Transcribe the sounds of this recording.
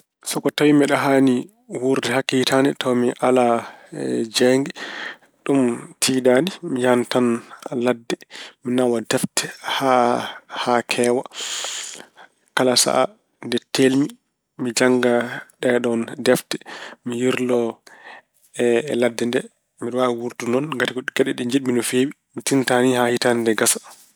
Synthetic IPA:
sɔkɔtawimɛɗaɦani | wuɾdɛhakːitanɛtɔwmiʔala | d͡ʒɛŋɡɛ | ɗumtʰiːdanimijantanladːɛminawadɛftɛ̥hahakʰɛːwa | kalasa̰ʔa | ndɛtelmi | mid͡ʒaŋɡaɗɛɗɔndɛftɛmijiɾlɔ | ɛladːɛndɛ | miɗwawuɾtunɔnŋɡatikɔɗiɡɛɗɛɗɛɲd͡ʒiɗminɔfeːwi | mitintanihahitanindɛɡasḁ

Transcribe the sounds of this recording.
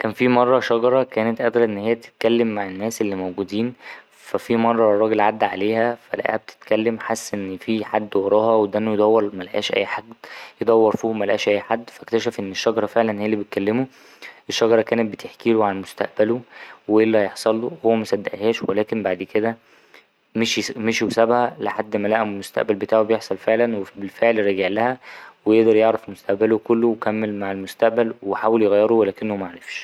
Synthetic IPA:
kæːnfimɑrˤːɑʃɑɡɑɾˤɑkæːnet̪ʔæd̪ɾˤɑʔenːhejːæbt̪e̥t̪̚kælːemːaʕenːæːsʔelːimowɡuːd̪iːn | fæfimɑrˤːɑrˤːɑːɡelʕad̪ːʕaleːhæfælæ̰ʔæ̰hæb̚t̪ʰe̥t̪kælːemħasːʔenːfiħad̪ːwɑɾˤɑːɦɑwed̪ænːojd̪æwːɑɾˤmælʔæ̰ːʃʔæ̰jːħad̪jed̪ˤɑwːɑɾˤfiːmælæʔæːʃʔæjːħad̪ːfækt̪æʃæfʔenːeʃːɑɡɑɾˤɑfeʕlænhejælibet̪̚kælːemo | ʔeʃːɑɡɑɾˤɑkæːnæt̪̚bet̪ʰeħkiːloʕanmost̪æ̰ʔbæloweʔelːæhjeħsˤɑlːohowːæmæsæd̪ːæʔhæːʃwelæːkembaʕd̪ked̪æ | meʃmeʃiwsæbhæleħad̪ːmælæʔæmmost̪æ̰ʔbælbet̪aːʕobejeħsˤɑlfeʕlænwefbelfeʕlɾɑɡeʕlæhæwejeʔd̪ɑɾˤjeʕɾæfmost̪æʔbælokolːowekæmːelmaʕelmost̪æʔbælweħaːweljeɣæjːeɾowælæːkenːomæʕaɾefʃ

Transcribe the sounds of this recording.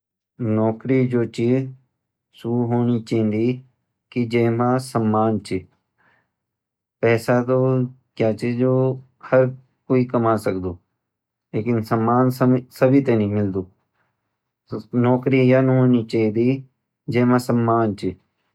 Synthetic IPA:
nɔːkɾid͡ʒoːt͡ʃiː | suuɦoːnit͡ʃẽnd̪iː | kid͡ʒeːmãsəmːaːnt͡ʃi | pɛːsat̪o | kjaːt͡ʃid͡ʒo | hɐɾ | koːikəmaːsəkd̪oː | leːkɪnsəmːaːnssɐbʱit̪enĩmɪld̪oː | nɔːkɾijanɦoːnit͡ʃaid̪i | d͡ʒeːmãsəmːaːnt͡ʃi

